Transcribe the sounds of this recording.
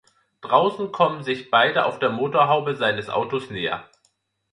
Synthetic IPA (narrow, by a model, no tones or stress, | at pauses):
d̥ʁaʊsn̩kʰɔmənzɪçb̥aɪdəʔa̰ʊfd̥eːɐmoːtoːɐɦaʊbəzaɪnəsʔa̰ʊtosneːɐ̰